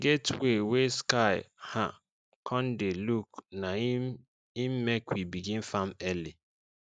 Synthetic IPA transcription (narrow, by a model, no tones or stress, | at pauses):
ɡetweweskaɪha̰ | kʰɔn̩delukna | im̩mekʷibiɡĩn̩famɛli